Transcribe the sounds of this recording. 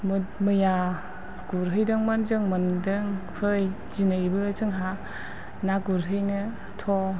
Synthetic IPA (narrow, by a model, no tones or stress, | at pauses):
mɯmɯja | ɡ̥uɾɦɯjdɯŋmanzɯŋmandɯŋpʰɯj | d͡ʒinaibɯːzɯŋɦa | naɡuɾɦɯjnɯ | tʰɔ